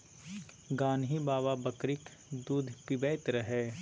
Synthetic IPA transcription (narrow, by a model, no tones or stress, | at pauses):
ɡaːnɦibaːʋabɐkɾɪk | d̪uːd̪ʱpɪbɛːt̪ɾɐɦɛː